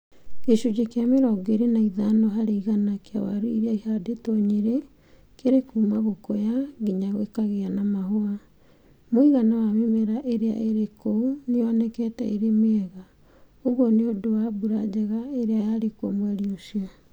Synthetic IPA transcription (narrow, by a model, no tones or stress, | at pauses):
eʃud͡ʑekeameɾɔɡeɾenaiðanɔɦaɾeiɣanakea̰wa̰ɾuiɾeaihadetɔɲeɾe | keɾekuːmaɣokojaɡiɲaɣwekaɣeanamahoa | moiɣanawamemɛɾaʔeɾea̰ʔeɾekoneɔnɛkɛtɛ̰ʔeɾemɛɣa | oɣwɔneodowabuɾad͡ʑɛɣaeɾeajaɾeko̰mwɛɾiosia